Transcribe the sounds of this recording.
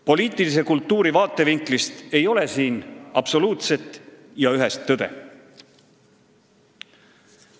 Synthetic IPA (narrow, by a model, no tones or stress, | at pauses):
po̞liːt̪ːˑilis̬e̞kult̪ːˑuːɾivɑːt̪ːˑe̞viŋklist̪e̞jo̞le̞siːnɑb̥so̞luːt̪se̞t̪ːˑ | jɑyɦest̪ːɤd̪̥e̞̰